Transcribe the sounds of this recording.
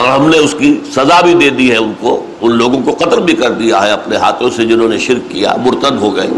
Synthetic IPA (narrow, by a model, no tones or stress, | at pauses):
ɔːɾɦɐmneʊskisɐzabʱid̪eːd̪iɦɛʊnko | ʊnloːɡõkoqɐt̪lbʱikɐɾd̪ijaɦɛɐpneɦa̰ːt̪ʰõsed͡ʒɪnɦõːneʃɪɾkːija̰mʊɾt̪əd̪ɦoɡɐḛː